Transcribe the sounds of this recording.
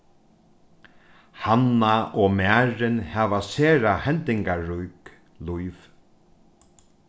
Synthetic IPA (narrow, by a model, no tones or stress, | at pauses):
hanaɔmæːɾɪnhaʋaseːɾahɛnt̪ɪŋkaɾujk | lujv